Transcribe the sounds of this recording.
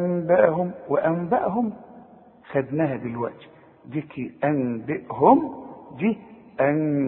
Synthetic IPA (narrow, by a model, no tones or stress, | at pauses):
mbaʔhʊmwɪʔæmbaʔɦʊm | xæd̪næːhæd̪ilwa̰ʔt̪ | d̪ikiʔænbɪʔɦʊmd̪iː | ʔæn